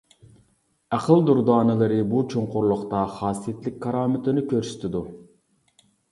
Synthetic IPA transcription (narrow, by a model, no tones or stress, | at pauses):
æqʰəlˠd̪uɾd̪ɑːnɨlˠɨɾɨbut͡ʃʰoɴqʰʊɾlˠʊqt̪ɑχɑːsijet̪lɪk̚ʲkʰːɑɾɑːmɪt̪ʰɪnɪkʲʰøɾsy̥t̪ʰɪd̪u